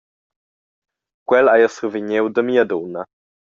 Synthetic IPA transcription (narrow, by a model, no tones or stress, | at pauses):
kwɛlajəsuviɲewd̪əmiad̪ona